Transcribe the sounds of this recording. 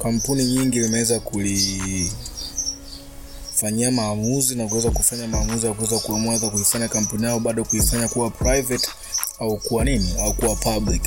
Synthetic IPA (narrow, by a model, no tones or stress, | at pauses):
kam̩puniɲiŋɡilimɛwɛzakuli | faɲiamaːmuzinakuwɛzakufaɲamaːmuzijakuwɛzakuamwaðakuifaɲakam̩punijaɔɓaɗɔkuifaɲakuwapʰɾajvɛt | aukuwaniniaukuwapablik